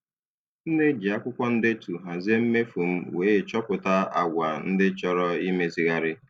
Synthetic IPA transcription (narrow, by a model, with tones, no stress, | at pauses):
n̩˦nɪ˦d͡ʒi˨a˦kʷʊ˦kʷɔ˦n̩˦dɪ˦tu˨ɦa˨ze˦m̩˦me˦fu˨m̩˦weː˦˨t͡ʃɔ˦pʊ˨ta˦a̰˨ɡʷa˨n̩˦dɪ˦t͡ʃɔ˦ɾɔ˦i˦me˦zi˦ɣa˦ɾɪ˦